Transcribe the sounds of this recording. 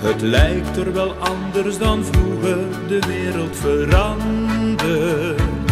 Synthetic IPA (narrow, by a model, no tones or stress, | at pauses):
ɦətlɛjk̚tərʋɛlˠʔɑndərsdɑnvruːɣər | dəʋɪːɾəlˠtfəɾɑndə